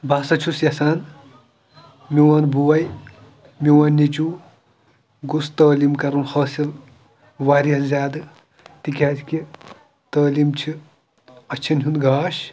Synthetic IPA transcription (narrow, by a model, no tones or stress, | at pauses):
baːsɐt͡ʃʰusjɐsaːn | miwɐnbuwɐj | miwanːit͡ʃu | ɡust̪ɐːlimkɐɾunhɐːsil | ʋaːɾiɐszʲaːd̪ɨ | t̪ikʲaːd͡ʒki | t̪ɐːlimt͡ʃʰi | ɐt͡ʃʰɐnɦʲunɡaːʃ